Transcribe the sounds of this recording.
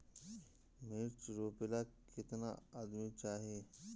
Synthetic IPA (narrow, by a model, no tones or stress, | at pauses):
mɪɾt͡ʃɾoːpɪlakɪt̪na̰ad̪mit͡ʃaːɦie